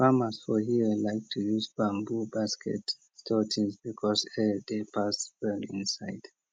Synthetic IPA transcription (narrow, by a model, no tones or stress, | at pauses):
famasfɔhiwilaɪk̚tʰujuzbãmbubaskʰɛ̰t | stʰɔtʰĩŋsbikʰɔsɛidepʰasbɛnḭ̃nsaɪd̥